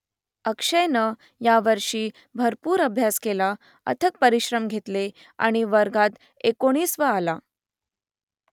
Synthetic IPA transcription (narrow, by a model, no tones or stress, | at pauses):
əkʂəjnə | jaʋəɾʂiː | bʱəɾpuːɾəbʱjaskela | ə̰t̪ʰək̚pəɾiɕɾəmɡʱet̪le | a̰ɽ̃iʋəɾɡat̪ | ekoɽ̃iːsʋəala